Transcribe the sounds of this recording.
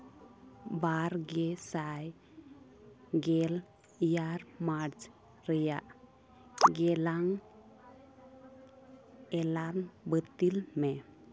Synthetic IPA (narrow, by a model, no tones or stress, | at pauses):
baɾɡɛsaj | ɡɛl | jaɾmaɾd͡ʒ | ɾəja̰ʔ | ɡɛlaŋ | ɛlanbət̪ilmɛ